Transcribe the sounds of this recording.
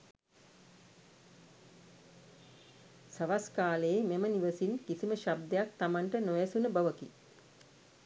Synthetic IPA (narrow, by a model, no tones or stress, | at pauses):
səʋaskaːləːmeməniʋəsinkisiməʃab̚d̪ejak̚t̪amaɳʈənojasunəbaʋəki